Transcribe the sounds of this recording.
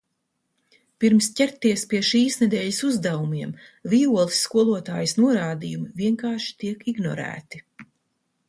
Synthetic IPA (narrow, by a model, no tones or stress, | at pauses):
piɾmscʲɛɾt̪ːiɛspiɛʃiːsnɛd̪ɛːʎisuzd̪avumiɛmvijuɔlˠisːkuɔlˠuɔt̪a̰ːjsnuɔɾaːd̪ijumiviɛŋkaːɾʃi̥t̪iɛkiɡnɔ̰ɾæ̰ːt̪i